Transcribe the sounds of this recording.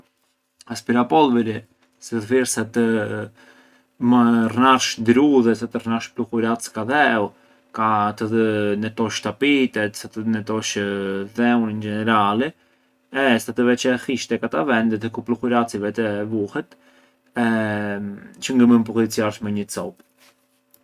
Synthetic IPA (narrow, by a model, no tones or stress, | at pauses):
aspiɾapɔlˠvɛɾi | siðfiɾsat̪ | marnaɾʃd̪ɾuðɛsat̪ərnaɾʃpluxuɾat͡skaðɛu | kat̪əðənɛt̪ɔʃt̪apit̪ɛt̪sat̪ənɛt̪ɔʃðɛunind͡ʒɛnɛɾalɛ | ɛsat̪əvɛt͡ʃɛhiʃt̪ɛkat̪avɛnd̪ɛt̪ɛkupluxuɾat͡sivɛt̪ɛvuhɛt̪ | ɛ | t͡ʃəŋɡəməmpukit͡sijaɾʃmɛɲət͡sɔ̰p